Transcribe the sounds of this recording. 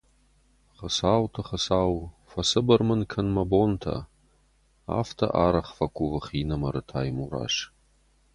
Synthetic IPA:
χəsaːwtʰɐχəsaːw | fɐsɨbɐrmɨnkʰɐnmɐboːntʰɐ̰ | a̰ːftʰɐ̰ʔaːɾɐχfɐkʷʰʼuvɨχiːnɐmɐɾɨtʰaːjmuɾa̰ːʃ

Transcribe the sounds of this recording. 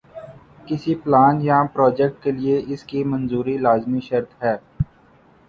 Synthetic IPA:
kɪsiplaːnjapɾɔːd͡ʒɛk̚ʈ̚kelieʔɪskimɐ̃nzuːɾilaːzmiʃɐɾt̪ɦɛː

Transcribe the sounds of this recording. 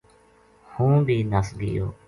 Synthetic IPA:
hũːbʱiːnəsɡɪ̰jo̰ː

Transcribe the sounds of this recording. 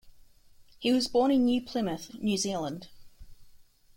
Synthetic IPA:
hiwɒzbɔːñɪ̃njʉpʰl̥ɪməθnjʉzilˠə̃nd̥

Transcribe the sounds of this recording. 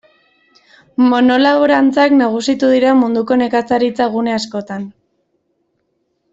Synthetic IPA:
mo̞no̞laβoɾant͡saknaɣ̞usit̪uðiɾamund̪uko̞ne̞kat͡saɾit͡saɣ̞une̞asko̞t̪an

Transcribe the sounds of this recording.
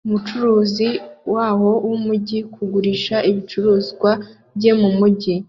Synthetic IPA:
umut͡ʃuɾuːziwaːho̞wumuɟikʰuɡuɾiʃaʔiβit͡ʃuɾuːzɡwa | bjɟe̞mumuɟi

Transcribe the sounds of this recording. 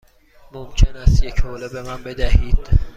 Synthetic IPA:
momcʰenæst̪jecʰhoːlebemæmbe̞d̪æhiːd̪̥

